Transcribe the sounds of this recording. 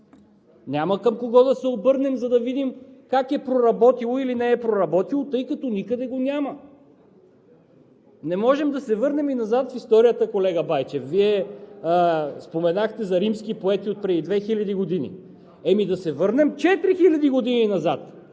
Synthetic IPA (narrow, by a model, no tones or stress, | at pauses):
nʲaməkəmkoɡɔd̪ɐsɛobɤɾnɛmzɐd̪ɐvid̪imkakɛpɾoɾɐbɔt̪ilˠoilinɛːpɾoɾɐbɔt̪ilˠot̪ɤjkɐt̪ɔnikəd̪ɛɡonʲjamə | nɛmɔʒɛmd̪ɐsɛvɤɾnɛminɐzat̪fist̪ɔɾijət̪əkolɛɡəbajt͡ʃɛfviɛ | spomɛnaxt̪ɛzɐɾimskipoɛt̪iot̪̚pɾɛd̪id̪vɛxilʲɐd̪iɡod̪inḭ | ɛmid̪ɐsɛvɤɾnɛmt͡ʃɛt̪ɾixilʲɐd̪iɡod̪ininɐzat̪